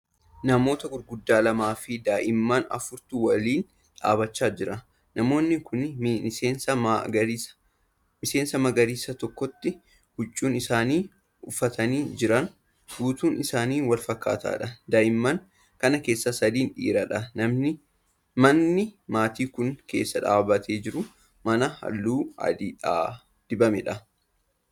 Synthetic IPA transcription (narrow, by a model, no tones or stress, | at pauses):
nɐmo̞ːt̪ɐɡʊɾɡʊd̪ːaːlɐmaːfɪd̪aːʔɪmːɐnɐ̰fʊɾt̪uwɐliːn | ᶑa̰ːbɐt͡ʃːaːd͡ʒɪɾɐ | nɐmo̞ːnːɪkʊnɪseːnsɐmɡɐɾiɐ̥ | mɪse̞ːnsɐmɐɡɐɾiːsɐt̪ɔkːɔt̪ːɪ | hʊt͡ʃʼːuːnɪsaːniː | ʊfɐt̪ɐniːd͡ʒɪɾɐn | ɡuːt̪uːnʔɪsaːniːnwɐlfɐkːa̰ːt̪a̰ːᶑɐd̪ɐjɪmːɐŋ | kɐnɐke̞ːsːɐsɐd̪iːnᶑḭːɾɐᶑɐnɐmnɪ | mɐnːɪmaːt̪iːkʊŋke̞̰ːsːɐᶑa̰ːbɐt̪ʰeːd͡ʒɪɾʊ | mɐnɐhɐ̰lːuːɐ̰d̪ɪᶑaː | d̪̥ɪbɐmɛᶑɐ